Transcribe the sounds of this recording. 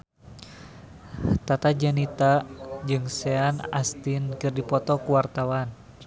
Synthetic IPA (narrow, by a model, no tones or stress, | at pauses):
t̪at̪ad͡ʒanit̪ad͡ʒɨŋsɛana̰st̪inkɨrdipɔt̪ɔkuwart̪awan